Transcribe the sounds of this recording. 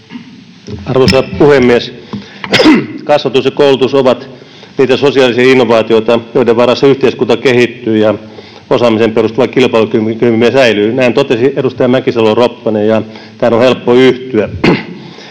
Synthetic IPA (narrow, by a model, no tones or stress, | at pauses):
ɑrʋosɑpuhemːies | kɑsʋɑt̪usjekoulut̪usoʋɑt̪ | niːt̪æsosiɑːlisiɑinːoʋɑːt̪ioit̪ɑjoideʋɑrːɑsːɑyht̪eiskunt̪ɑkehit̪ːyːjɑ | osɑːmisemperust̪uʋɑkilpɑilukymkymimiesæilyːnæint̪ot̪esiedust̪ɑjɑmækisɑloropːɑnejɑ | t̪æːnohelpːoyht̪yæ